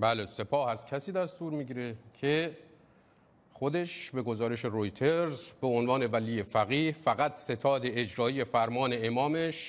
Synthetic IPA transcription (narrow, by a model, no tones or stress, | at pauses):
bæːlese̞pʰɒːhæzcʲʰæsiːd̪æst̪uːɾmiːɟiːɾe̞cʰe | χo̞d̪e̞ʃbe̞ɡo̞zɒːɾe̞ʃe̞ɾojt̪ʰeɾzbe̞onvɒːne̞væliːje̞fæɣiːhfæɣæt̪se̞t̪ʰɒːd̪e̞ed͡ʒɾɒːije̞fæɾmɒːne̞emɒːme̞ʃ